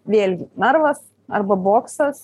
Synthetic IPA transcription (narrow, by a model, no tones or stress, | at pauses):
ʋʲeːlʲɡʲɪnɐɾʋɐs | ɐ̰rbɐboːksɐs